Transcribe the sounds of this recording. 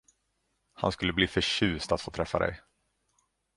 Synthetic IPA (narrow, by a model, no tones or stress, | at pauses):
ha̰nskɵlːəbliːfœɕʉ̟ːst̪at̪foːt̪ʰɾɛfːad̪ɛ̰j